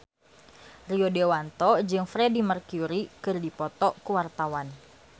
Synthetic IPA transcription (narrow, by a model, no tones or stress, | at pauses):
riodewant̪ɔd͡ʒɨŋfɾedimərkuɾikɨrdipɔt̪ɔkuwart̪awan